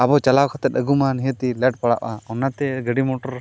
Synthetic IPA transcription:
abɔt͡ʃalawkʰat̪ɛt̪̚əɡumaniɦət̪ilɛʈ̚paɽa̰ʔaɔnat̪ɛɡəɖimɔʈɔɾ

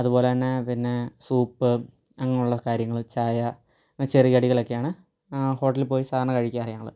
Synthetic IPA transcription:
ɐðupo̞ːleɐnːepinːe̞suːpːɨ | ɐŋːɐnuɭːɐkaːɾjɐŋːɐɭt͡ɕaːjɐ | t͡ɕerijɐɽiɣɐɭokːejaːɳɨ | ho̞ːʈːɐlpo̞ːjisaːɐɳnɐkɐɻikʲːaːɐrijɐŋːɐ̰ɭɨ̰

